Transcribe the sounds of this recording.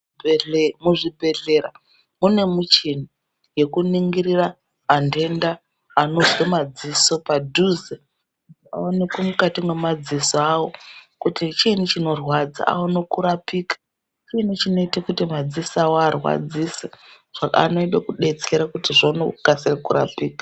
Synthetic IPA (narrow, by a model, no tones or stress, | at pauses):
muʐibʱe̞ɮe̞ɾa | mune̞mut͡ʃini | je̞kuniŋɡiɾiraː | nde̞ndaː | no̞zwemad͡ziso̞padʱuze | kutia̰onekwomukatimwe̞mad͡zisoawo̞kutit͡ʃiːnut͡ʃino̞rwad͡za̰ʔa̰onokuɾapiːkḁ | t͡ʃiːnut͡ʃino̞itakutimad͡zisawarwa̰d͡zise | ʐ̥aka̰no̞iɗekuɗe̞t͡seɾakutiʐano̰kasirakuɾa̰piːkḁ